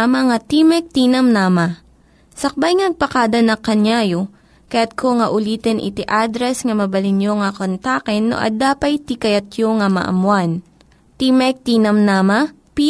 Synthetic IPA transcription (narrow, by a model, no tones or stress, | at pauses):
ɐmɐŋɐt̪imɛk̚t̪iːnɐmnamɐ | sɐk̚bajŋɐnɐɡ̚pɐkaːd̪ɐnɐkɐnjaːjo | kɐjat̪̚kʰoŋɐʔʊliːt̪ɛnʔɪ̰t̪ɪʔad̪ɾɛsŋɐmɐbɐlɪnjoŋɐkont̪aːkɛnːo̰ʔɐ̰d̪aːpɐjt̪ikɐjɐt̪joŋɐmɐ̰ʔɐ̰mwan | t̪imɛk̚t̪iːnɐmnaːmɐ | pi